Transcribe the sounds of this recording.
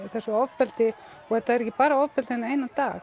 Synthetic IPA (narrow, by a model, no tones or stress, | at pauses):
θɛsʏɔvpɛlt̪ɪ | ɔɛt̪aðɛɾɛcːɪpaːɾaɔvpɛlt̪ɪhɛneːjnat̪aː